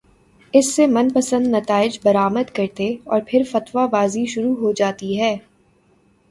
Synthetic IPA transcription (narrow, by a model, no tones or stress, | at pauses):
ɪsːemɐnpɐsə̃nd̪nɐt̪aːɪd͡ʒbɐɾaːməd̪kɐɾt̪eɔːɾpʰɪɾfɐt̪wabaːziʃʊɾuɦod͡ʒaːt̪iɦɛː